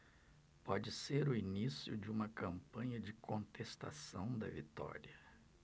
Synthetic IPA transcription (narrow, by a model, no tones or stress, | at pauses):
pɔd͡ʒɪseɾʊinisjʊ̰d͡ʒɪũmɐkɐ̃mpɐ̃ɲɐd͡ʒɪkʰõnt̪est̪a̰sɐ̃w̃d̪ɐ̰vit̪ɔ̰ɾiɐ